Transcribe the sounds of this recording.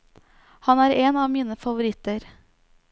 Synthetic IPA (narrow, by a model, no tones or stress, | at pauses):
hɑnæːɾeːnɑːʋmiːnəfɑʋʊɾɪt̪əɾ